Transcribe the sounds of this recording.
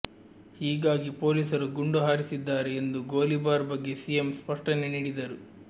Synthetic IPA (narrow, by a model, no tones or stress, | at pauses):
hiːɡaːɡipoːliːsɐɾuɡuɳɖuɦaːɾisid̪ːaːɾeːnd̪uɡo̞ːlibaːɾbɐɡːe̞sijemspɐʂʈɐne̞niːɽid̪ɐɾu